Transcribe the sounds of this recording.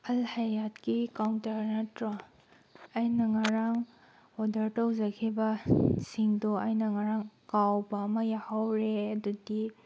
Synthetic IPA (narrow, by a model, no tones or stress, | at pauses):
ɐlhajatkikawntɐɾnɐtɾa | ɐjnɐŋaɾaŋ | odɐɾtɐwzɐkʰibɐsiŋdoɐjnɐŋaɾaŋkawbɐːmɐjahawɾeɐdudi